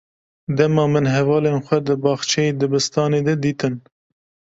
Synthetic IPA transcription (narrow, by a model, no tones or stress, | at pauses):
d̪ɛmɑːmɨnɦɛvɑːlenxʷɛd̪ɨbɑːxt͡ʃʰɛjed̪ɨbɨst̪ɑːneːd̪ɛd̪iːt̪ɨn